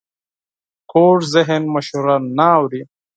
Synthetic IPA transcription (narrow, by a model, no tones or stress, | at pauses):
kʰoːʈzɪɦɪnmaʃuɾanaːwɾi